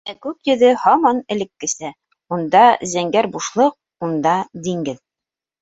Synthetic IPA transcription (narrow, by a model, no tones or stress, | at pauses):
ækʉpjɵ̆ðɘhɑmɑnɘ̆lɘ̆kːɘ̆sæ | und̪ɑzæŋɡæɾbuʃlˠɤq̚ | und̪ɑd̪iŋɡɘð